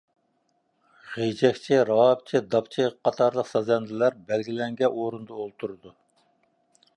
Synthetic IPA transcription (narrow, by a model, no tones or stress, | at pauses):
ʁejd͡ʒɛkʲt͡ʃʰɪɾɑp̚t͡ʃʰɪd̪ɑpt͡ʃʰɪqʰːɑt̪ʰɑɾlˠəqsɑzɛnd̪ɪlæɾbælɡʲilɛŋɡʲɛʔoɾɨnd̪ɑolˠt̪ʰuɾɨd̪u